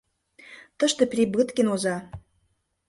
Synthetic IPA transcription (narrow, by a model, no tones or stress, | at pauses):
t̪ɤ̆ʃt̪ɤ̆prʲibɯt̪kĕnozɑ